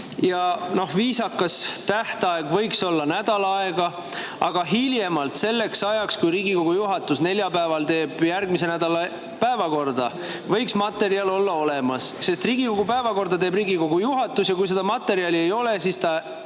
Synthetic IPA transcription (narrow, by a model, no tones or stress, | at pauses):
jɑno̞hviːsɑkːˑɑst̪æht̪ɑe̞ɡ̥vɤ̞jkso̞lːɑnæd̪̥ɑlɑɑeɡ̥ɑ | ɑɡ̥ɑɦiljemɑlt̪se̞lːe̞ksɑjɑkskujɾiːɡiko̞ɡ̥ujuɦɑt̪ːˑusne̞lʲjɑpæevɑlt̪e̞ːb̥jærɡ̥mis̬e̞næd̪̥ɑlɑ | pæevɑko̞rd̪ɑ | vɤjksmɑt̪ːe̞ɾiɑlo̞lːɑo̞lemɑsse̞st̪riːɡ̥iko̞ɡ̥upæevɑko̞rd̪̥ɑt̪e̞ːbriːɡiko̞ɡ̥ujuɦɑt̪ːusjɑkujs̬e̞d̪̥ɑmɑt̪ːˑe̞ɾiɑlie̞jo̞le̞siːst̪ɑ